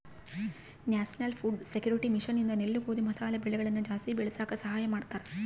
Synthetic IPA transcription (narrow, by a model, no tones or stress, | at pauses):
njaːsɐnɐlfuːɖsekjuːɾiʈːimiʂɐnind̪ɐnilːukoːd̪umɐsaːlɐbiɭːɐɣɐɭinːud͡ʒaːst̪ibeɭisaːkːɐsɐɦaːjɐmaːɽt̪ːaɾ